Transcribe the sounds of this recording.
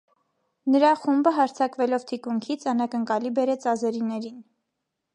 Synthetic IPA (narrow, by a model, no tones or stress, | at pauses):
nəɾɑχumbəɦɑɾt͡sʰɑkvɛlɔvt̪ʰikuŋkʰit͡sʰɑnɑkəŋkɑlibɛɾɛt͡sɑzɛɾinɛɾin